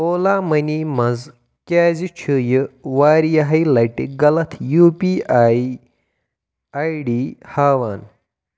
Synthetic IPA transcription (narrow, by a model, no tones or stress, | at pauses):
oːlamɐnimɐz | kʲaːzit͡ʃʰujəʋaːɾijaɦɐjlajʈḛɡɐlɐt̪ʰjuːpiaj | ajɖihaːʋaːn